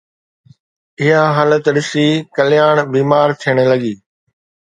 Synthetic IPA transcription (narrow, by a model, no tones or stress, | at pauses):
ɪɦaɦaːlət̪ɗɪsikɐlɪjaːɽ̃biːmaːɾt̪ʰijəɽ̃̆lɐɡiː